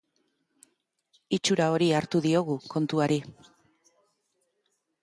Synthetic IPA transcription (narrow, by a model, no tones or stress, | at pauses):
it͡ʃuɾao̞ɾiaɾt̪uðio̞ɣ̞uko̞nt̪uaɾi